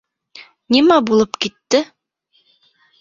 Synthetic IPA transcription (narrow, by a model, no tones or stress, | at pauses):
nimæbulˠɤpkit̪ːɘ